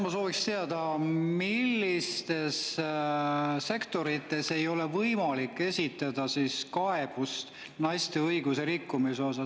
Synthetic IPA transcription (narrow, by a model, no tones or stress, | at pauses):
mɑso̞ːvikst̪eɑd̪̥ɑmilːist̪e̞s | se̞kt̪o̞ɾit̪ːˑe̞se̞jo̞le̞vɤjmɑlikːˑe̞sʲit̪ˑːɑd̪̥ɑsiskɑe̞b̥ust̪ | nɑjst̪e̞ɤjɡ̥use̞ɾikːumiso̞sɑ